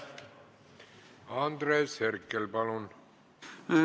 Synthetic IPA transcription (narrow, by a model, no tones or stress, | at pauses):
ɑːnd̪reːsherkːelpɑlon